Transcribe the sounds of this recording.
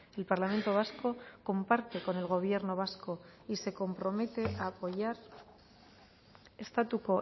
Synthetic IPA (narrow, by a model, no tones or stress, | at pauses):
e̞lpaɾlamẽ̞nt̪o̞β̞asko̞ko̞mpaɾt̪e̞ko̞ne̞lɣ̞o̞β̞je̞ɾno̞β̞asko̞ise̞ko̞mpɾo̞me̞t̪e̞ʔaːpo̞ʝaɾ | e̞st̪at̪uko̞